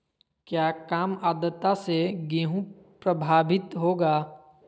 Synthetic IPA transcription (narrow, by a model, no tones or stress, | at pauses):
kjaːkaːmaːd̪ət̪ːaseɡẽːɦũ | pɾəbʱaːbɪt̪ɦoːɡaː